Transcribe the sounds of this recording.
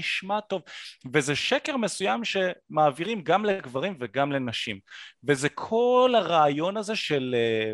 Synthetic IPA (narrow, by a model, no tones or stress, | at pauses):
iʃmato̞vvezeʃekeʁme̞sujamʃe̞maːviʁimɡamleɡvaʁimveɡamle̞naʃimvezekʰo̞lhaʁaːjo̞naze̞ʃele